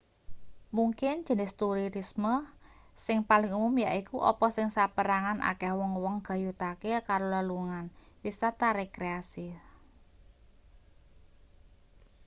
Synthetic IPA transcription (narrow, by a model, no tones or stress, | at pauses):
muŋkɪnd̥d͡ʒ̥ə̤nɪst̪uɾiɾismə | sɪŋpalɪŋumʊmjaʔikuʔɔ̰pɔsɪŋsapəɾaŋanʔa̰kɛhwɔŋwɔŋɡ̥a̤jut̪akekaɾoləluŋan | wisat̪aɾekɾeasi